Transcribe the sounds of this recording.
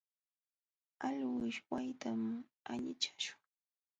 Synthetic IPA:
aʎwɪʃwajt̪am | aɲɪt͡ʃḁʃʊ̥ŋ

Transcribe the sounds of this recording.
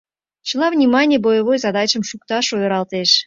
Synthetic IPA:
t͡ɕəlˠɑvnʲimɑnʲijəbojəvojzɑd̪ɑt͡ɕəmʃukt̪ɑʃojoɾɑlˠt̪eʃ

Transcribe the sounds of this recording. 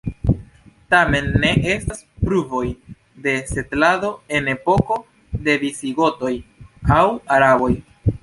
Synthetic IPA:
tame̞nːe̞ʔe̞stas | pɾuvo̞j | de̞se̞tlado̞e̞ne̞po̞ko̞ | de̞visiɡo̞to̞jawaɾabo̞j

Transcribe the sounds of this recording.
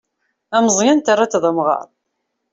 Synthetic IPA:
æməzˤjænt̪arːat͡sːðˤəmʁɑ̰ɾˤ

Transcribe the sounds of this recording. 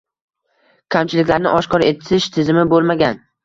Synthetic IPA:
kʲʰamt͡ʃʰɪlɪkʲlaɾnɪʔɒʃkʰɒɾe̞t̪ʰɪʃt̪ʰɪzɪmɪbolˠmaɡʲan

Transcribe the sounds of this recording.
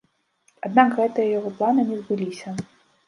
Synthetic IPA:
ad̪̚naɡɣɛt̪ɨjɐjaɣɔplˠanɨnʲɛzbɨlʲisʲɐ

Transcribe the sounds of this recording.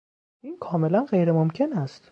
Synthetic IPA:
inkʰɒːme̞lænɢe̞jɾemomcʰe̞næst̪

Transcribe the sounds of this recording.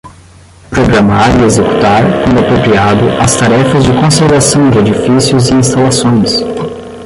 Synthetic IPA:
pɾoɡɾamaɾiezeku̥t̪aɾkõnd̪ʊapɾopɾiad̪ʊʔɐst̪aɾɛfɐzd͡ʒɪkõseɾvasɐ̃w̃d͡ʒɪed͡ʒifisjʊzɪĩst̪alasõj̃s

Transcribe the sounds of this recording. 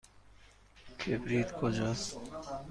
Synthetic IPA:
kʰebɾiːt̪kʰod͡ʑas

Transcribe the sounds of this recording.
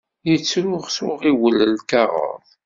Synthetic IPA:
jət͡sːɾʊʁsʊʁiwələlkaʁə̰ðˤ

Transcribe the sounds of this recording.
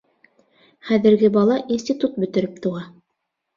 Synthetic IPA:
χæðɘ̆ɾɡɘbɑlˠɑʔinsʲt̪ʲit̪ut̪̚bɵ̆t̪ɘ̆ɾɘp̚t̪uʁɑ

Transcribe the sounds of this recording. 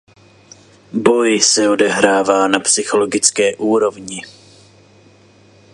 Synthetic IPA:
bo̞jsɛo̞dɛɦɾaːvaːnapsɪxo̞lo̞ɡɪt͡skɛːʔuːɾo̞vɲɪ

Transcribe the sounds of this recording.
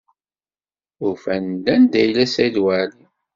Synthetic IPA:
ʊɾfænd̪ænd̪æjlæsæd̪wæli

